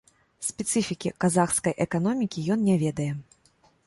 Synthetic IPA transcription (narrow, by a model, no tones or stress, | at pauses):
sʲpʲɛt̪sɨfʲikʲikazaxskɐjʔɛkan̪ɔmʲikʲijɔnnʲɛvʲɛd̪ɐjɛ